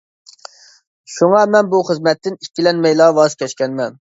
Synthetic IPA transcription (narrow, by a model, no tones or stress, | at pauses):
ʃuŋɑmɛnbuχəzmɛt̪ːɪnikʲːilɛnmɛjlˠɑːvɑʃkʲʰɛʃkʲɛnmɛn